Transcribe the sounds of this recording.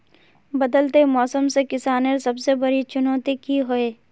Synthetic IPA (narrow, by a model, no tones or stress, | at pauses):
bɐd̪əlt̪emɔːsəmsekɪsaːneɾsɐbsebɐɾit͡ʃʊnɔːt̪ikiɦoeː